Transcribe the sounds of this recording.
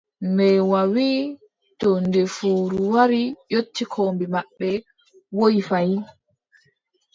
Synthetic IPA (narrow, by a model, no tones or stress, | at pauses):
mɛwawiː | tɔndefuːɾuwaɾijotːikʰoːmbimaɓːɛ | wojifaj